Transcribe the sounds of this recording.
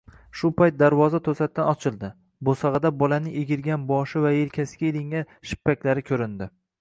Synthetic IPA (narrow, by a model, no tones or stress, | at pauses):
ʃʊpajt̪̚d̪aɾvɒzat̪ʰɵsat̪ːanɒt͡ʃʰɪlˠd̪ɪ | bosɑʁɨd̪abɒlanɪʔeɡʲɪɾɡʲanbɒʃɪvajelkʲʰasɪɡʲaelɪŋa | ʃɪ̥pːakʲlaɾɪkʲʰɵɾɪnd̪ɪ